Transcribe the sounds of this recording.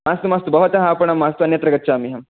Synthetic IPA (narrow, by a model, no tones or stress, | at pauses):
maːst̪umaːst̪ubɐɦɐt̪ɐɦɐːpɐɳɐmːaːst̪uɐnjɐt̪ɾɐɡɐtːt͡ʃaːmiɦɐm